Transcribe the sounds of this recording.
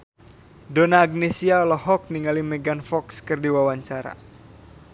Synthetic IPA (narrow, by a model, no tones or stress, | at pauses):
donaːɡ̚nesialɔɦɔk̚niŋalimɛɡanfɔkskɨrdiwawaɲt͡ʃaɾa̰